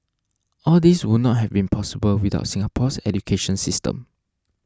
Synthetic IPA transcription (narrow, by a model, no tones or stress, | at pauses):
ʔɔldiswud̚nɔt̚ɦɛvbĩnpʰɔsibəlwida̰ʊtsĩŋapʰɔsɛ̰dukʰeʃə̃nsistə̰̃m